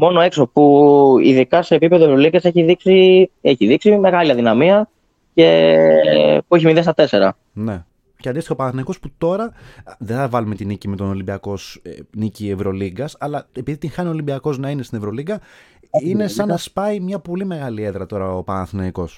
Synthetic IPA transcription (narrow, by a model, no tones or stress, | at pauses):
mo̞noe̞ksopuḭðikɐse̞ːpipeðoevɾo̞liɡɐseçiðiksieçiðiksime̞ɣɐliɐðinɐmiɐ | ce̞ | pueç̬imiðest̪ɐt̪e̞se̞ɾɐ̰ | ne̞ | ceɐnd̪ist̪ixopɐnɐθinɐiko̞sput̪o̞ɾɐðeθɐvɐlume̞t̪inicime̞t̪o̞nolimbiɐko̞snicievɾo̞liɡɐsɐlɐepiðit̪iŋxɐnio̞limbiɐko̞znɐine̞st̪inevɾo̞liɡɐ | ine̞sɐnɐspɐimɲɐpo̞lime̞ɣɐlie̞ðɾɐt̪o̞ɾɐopɐnɐθnɐiko̞s